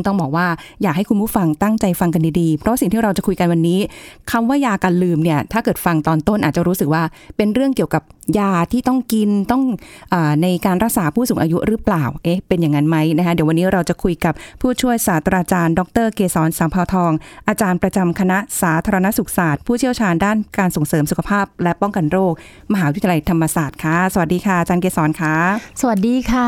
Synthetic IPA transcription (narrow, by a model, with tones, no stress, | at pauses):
ŋt̪ɔ˥˩ŋbɔː˨˩k̚waː˥˩jaː˨˩k̚ha˥˩jkʰu˧npuː˥˩fa˧ŋt̪a˥˩ŋt͡ɕa˧jfa˧ŋk̬a˧ndiː˧diː˧pʰɾɔ˦˥wa˥si˨˩ŋt̪ʰiː˥˩ɾa˧wt͡ɕa˨˩kʰu˧jka˧nwa˧nːiː˦˥kʰa˧mwaː˥˩jaː˧kaː˧nlɯː˧mni˥˩ɐt̪ʰaː˥˩kɤː˨˩t̪̚fa˧ŋt̪ɔː˧nt̪o˥˩nʔaː˨˩t̚t͡ɕa˨˩ɾuː˦˥sɯ˨˩k̚waː˥˩ | pe˧nɾɯ˥˩əŋki˨˩əwka˨˩p̚jaː˧t̪ʰiː˥˩t̪ɔ˥˩ŋki˧nt̪ɔ˥˩ŋʔɤː˨˩na˧jkaː˧nɾa˦˥k̚saː˩˦pʰuː˥˩suː˩˦ŋʔaː˧ju˦˥ʔɾɯː˦˥plaː˨˩wʔe˦˥pe˧nja˨˩ŋːa˧˥nma˦˥jna˦˥kʰa˦˥di˨˩˦wa˧nːiː˦˥ɾa˧wt͡ɕa˨˩kʰu˧jka˨˩p̚pʰːuː˥˩t͡ɕʰu˥˩əjsaː˩˦t̪ʰɾaː˧t͡ɕaː˧ndɔ˧˥k̚t̪ɤː˥˩keː˧sɔː˩˦nsaː˨˦mpʰaː˧wt̪ʰɔː˧ŋʔaː˧t͡ɕaː˧npɾa˧t͡ɕa˧mkʰa˧na˦˥saː˩˦t̪ʰaː˧ɾa˧na˦˥su˨˩k̚saː˨˩t̪̚pʰuː˥˩t͡ɕʰi˥˩əwt͡ɕʰaː˧ndaː˥˩nkaː˧nso˨˩˦ŋsɤː˩˦msu˨˩kʰa˧pʰaː˥˩p̚lɛ˦˥ʔpɔ˥˩ŋka˧nɾoː˥˩k̚ | ma˧ɦaː˩˦˧la˧jt̪ʰa˧mːa˧saː˨˩t̪̚kʰa˦˥sa˨wa˨˩t̚diː˧kʰaː˥˩ʔa˨˩t͡ɕaː˧nkeː˧sɔː˩˦nkʰaː˦˥sa˧a˨˩t̪̚diː˧kʰa˥˩